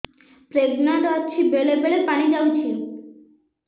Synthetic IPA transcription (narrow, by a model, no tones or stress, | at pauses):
pɾeɡnat̪at͡ɕʰibelebeɭepañid͡ʑawt͡ɕʰil